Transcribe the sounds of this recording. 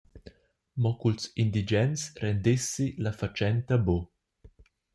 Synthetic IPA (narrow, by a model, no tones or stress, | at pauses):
mɔkulsind̪id͡ʒɛnsɾɛnd̪isːilafat͡ʃɛnt̪abo